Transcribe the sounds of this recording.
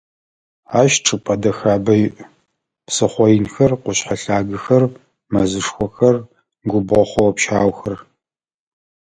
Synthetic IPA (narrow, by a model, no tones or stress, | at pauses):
aːʃʈ͡ʂʼɨpʼɐdɐxaːbɐjʔ | psɨχʷɔjɪnxɐrqʷʊɕħaɬaːɡɨxɐr | mɐzɨʂxʷɔxɐr | ɡʷʊbʁɔχʷɔwɔpʃaːwxɐr